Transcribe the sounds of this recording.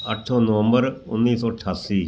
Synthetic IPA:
əʈʰoːnəʋə̃mbəɾʊ̰nːiːsɔːəʈʰaːsiː

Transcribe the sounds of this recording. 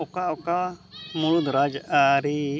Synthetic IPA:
ɔkaɔkamuɽud̪ɾad͡ʒʔaɾi

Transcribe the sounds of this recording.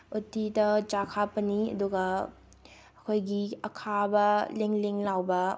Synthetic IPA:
utidɐt͡ʃakʰapɐniɐ̰duɡɐː | kʰojɡiɐkʰabɐleŋleŋlawbɐ

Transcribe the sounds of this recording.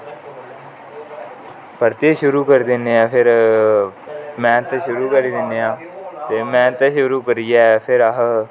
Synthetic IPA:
pəɾt̪eːʃʊɾuːkəɾd̪ɪnːeãːpʰɪɾ | mɛ̃ːt̪eʃʊɾuːkəɾiːd̪ɪneːãː | t̪eːmɛ̃ːt̪eʃʊɾuːkəɾijɛːpʰɪɾəɦ

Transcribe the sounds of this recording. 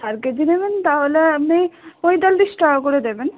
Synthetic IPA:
aɾked̪inebent̪aɦoleapnijmojd̪ald̪iʃʈakoɾed̪eben

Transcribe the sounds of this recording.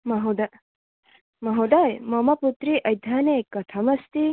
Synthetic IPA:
mɐɦud̪a | mɐɦud̪ajmɐmɐput̪ɾiʔɐjd̪ʱaneːkːɐt̪ʰɐmɐst̪i

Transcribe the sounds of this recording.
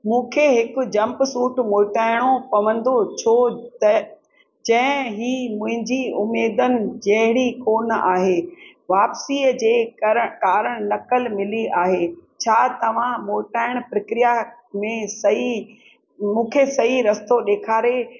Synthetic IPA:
mũːkʰeɦɪkʊ̆d͡ʑɐ̃mpsuːʈmoːʈaːɪɽ̃opɐʋ̤ə̃nd̪ot͡ɕʰoːt̪ɐ | d͡ʑɐ̃ɦɪ̃ɦiːmʊ̃ɦɪ̃ɲd͡ʑiʊmːeːd̪ənɪ̆d͡ʑɐɦɪɽikoːnaːɦeː | ʋaːpsiːəd͡ʑeːkaːɾəɽ̃nɐkəlmɪliaːɦet͡ɕʰaːt̪ɐʋ̤ãmoːʈaːɪɽ̃pɾɐkɾija | mẽsɐi | mũːkʰesɐɦiɾɐst̪oɗeːkʰaːɾe

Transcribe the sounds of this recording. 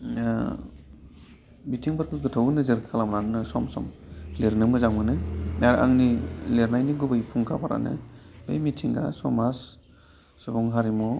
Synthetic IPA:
bitʰiŋbaɾkʰɯɡɯtʰawnɯzɯɾkʰalamnannɯsɔmsɔ̰mleɾnɯmɯzaŋmɯnɯnaɾa̰ŋnileɾnajniɡubɯjpʰuŋkʰapʰaɾa̰nɯ̰bḛjmitʰiŋɡa̰sɔmas | sɔbɔŋɦaɾimɔ

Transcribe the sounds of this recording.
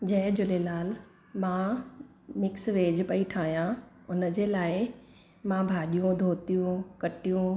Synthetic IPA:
d͡ʑɐ̃ɦɪ̃d͡ʑʊlelaːl | mã | mɪksʋeːd͡ʑpɐiʈʰaːɦijã | ʊnə̆d͡ʑeːlaːɪ | mãbʱaːɗijũd̪ʱoːt̪ijũkɐʈijũ

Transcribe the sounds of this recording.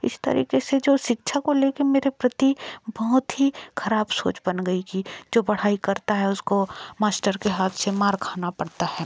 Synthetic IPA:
ɪ̰st̪ɐ̰ɾḭːkesed͡ʒoːʃɪkʃʰakoleːkemeːɾepɾɐt̪ibɐɦʊt̪ɦikʰɐɾaːbso̰ːt͡ʃbɐnɡɐikid͡ʒoːbɐɽ̤aːikɐɾt̪aɦɛʊskomaːsʈəɾkeɦaːt̪ʰsemaːɾkʰaːnapɐɽt̪aɦɛː

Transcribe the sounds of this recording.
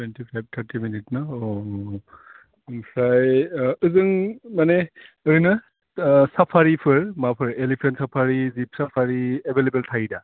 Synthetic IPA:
tʰwentʰipʰajb̚tʰaɾtʰiminitnaɔ | ɯŋsʰajɯzɯŋmaneɯɾinɯ | sapʰaɾipʰɯɹmapʰɯɾelipʰensapʰaɾizip̚sapʰaɾiebʱelebeltʰajda

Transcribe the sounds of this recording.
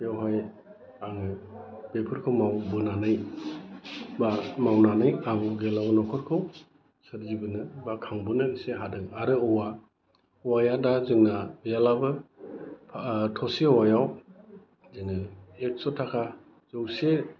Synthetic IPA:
jawɦaj | aŋɯb̥epʰɯɾkʰɯwmawbɯnanaj | bamawnanɯjabɔɡelabɯnɔkʰɔɾkʰɯw | saɾzibɯnɯbakʰaŋbɯnɯseɦadɯŋaɾɯɯwa | wajadazɯŋnajalabɯ | pʰtʰɔsewajaw | zɯŋɯek̚sɔtʰakʰa | zowse

